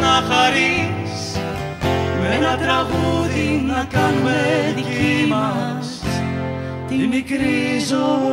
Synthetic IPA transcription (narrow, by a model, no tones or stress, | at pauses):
nɐxɐɾi | s | meenɐt̪ɾɐɣuðinɐkɐnumeðiimɐ | s | t̪imikɾizo